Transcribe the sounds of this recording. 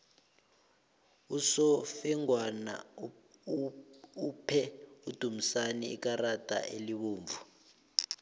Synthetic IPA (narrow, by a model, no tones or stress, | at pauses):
usɔfɛŋwana̰ | upʰɛud̥ʱum̩saniḭkarad̥ʱa̰ʔeliɓuːɱvu